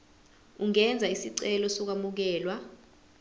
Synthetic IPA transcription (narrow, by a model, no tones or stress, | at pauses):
uŋɛnd͡zʱaisiǀɛlɔsɔk̬amuk̬ɛːlwa